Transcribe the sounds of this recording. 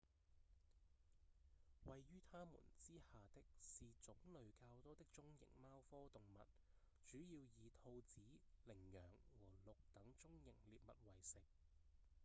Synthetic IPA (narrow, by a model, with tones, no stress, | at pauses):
wɐ˨jːyː˥t̪ʰaː˥mṵː˨˩nt͡siː˥haː˨t̪ɪ˥k̚siː˨t͡sʊ˨˥ŋlɵ˨˧ɥkaː˧wt̪o˥t̪ɪ˥k̚t͡sʊ˥ŋjɪ̰˨˩ŋmaː˥wfɔː˥t̪ʊ˨˩ŋmɐ̰˨t̚ | t͡ʃyː˨˥jiː˧wjiː˨˧t̪ʰo˧wt͡siː˨˥lɪ˨˩ŋjœː˨˩ŋwɔː˨˩lʊ˨k̚t̪ɐ˨˥ŋt͡sʊ˥ŋjɪ̰˨˩ŋliː˨p̚mɐ˨t̚wɐ˨˩jsɪ˨˩k̚